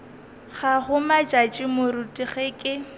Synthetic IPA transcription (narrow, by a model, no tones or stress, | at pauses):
χaɣʊmad͡ʒʼat͡ʃʼɪmʊrutʼiɣeːkʼɪ